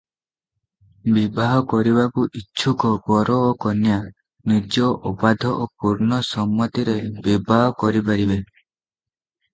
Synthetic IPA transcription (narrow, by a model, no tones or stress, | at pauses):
bibaɦɔkɔɾibakuʔiːt͡ʃʰukɔɡɔɾɔːkɔnja | nid͡ʒɔʔupad̪ʱɔʔopuɾnɔsɔmːɔt̪iɾebibaɦɔkɔɾipaɾibe